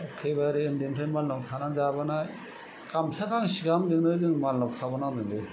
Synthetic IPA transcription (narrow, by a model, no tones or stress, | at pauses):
ɔkʰebaɾiɯndintʰajmallawtʰanazabana | kamsʰakʰaŋsiɡamdɯŋdɯzɯŋmallawtʰabanadɯŋdɯ